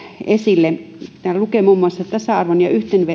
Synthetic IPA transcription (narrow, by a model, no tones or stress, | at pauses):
esilːe | t̪æːllukemumːoɑsːɑt̪ɑsɑɑrʋonjɑyht̪enʋe